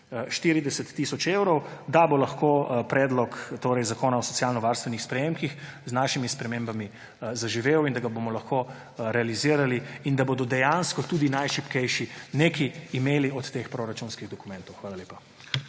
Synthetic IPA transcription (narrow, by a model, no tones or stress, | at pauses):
ʃt̪iɾid̪ɛsɛt̪ːisɔt͡ʃewɾɔwd̪abolɐxkopɾɛːd̪lɔkt̪oːɾɛjzakoːnaɔsɔ̥sjalnɔʋaːɾst̪ʋɛnixspɾɛjemkixznaʃimispɾɛmembami | zaʒiʋeːwind̪aɡabomɔlɐxko | ɾɛaliziːɾaliind̪aboːd̪ɔd̪ɛjanskɔt̪uːd̪inajʃipkɛjʃinekiːmeːliɔt̪ːexpɾoɾat͡ʃunskiɣd̪ɔkumɛ̃nt̪ɔwxʋaːlalʲeːpa